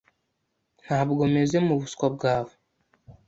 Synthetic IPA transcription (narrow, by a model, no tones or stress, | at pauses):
n̥haːbɡo̞me̞zemuβuskwab̚ɡaːβo